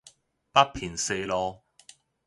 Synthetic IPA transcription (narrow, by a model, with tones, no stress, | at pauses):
pɐ˥pʰiː˨˩nse˧jlɔː˧